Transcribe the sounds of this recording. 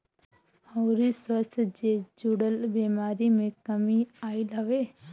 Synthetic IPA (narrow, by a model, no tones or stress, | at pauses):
ɐɾiswəst̪ʰd͡ʒed͡ʒuɽəlbeːmaːɾimẽkɐmiaːilɐʋe